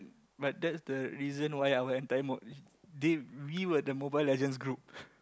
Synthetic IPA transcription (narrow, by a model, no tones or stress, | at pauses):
bat̚dɛtsdəɹizə̃nwajawəɛ̃ntajəmɔ | dewiwədəmobajlɛd͡ʒə̃ns̬ɡɹup̚